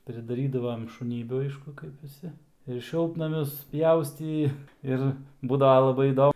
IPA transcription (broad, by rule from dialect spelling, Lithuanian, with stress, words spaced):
pʲrʲɪdɐˈrʲiːdɐʋɐm ɪ ʃʊˈnʲiːbʲuː ˈɐɪʃkʊ kɐɪp ʋʲɪˈsʲɪ ɪr ˈʃʲɪlˠtnɐmʲʊs ˈpʲjɛʊsʲtʲiː ˈɪr ˈbuːdɐʋɐ lˠɐˈbɐɪ iːˈdoː